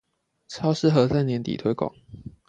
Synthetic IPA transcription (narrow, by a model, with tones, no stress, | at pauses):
t͡sʰɑ˥ʊʂɻ̩˥˧xɤ˨˧˦t͡sa˥˩ɪnjɛ˧˦nt̪ḭ˨˩t̪ʰwe˥ɪkwɑ̰˨˦ŋ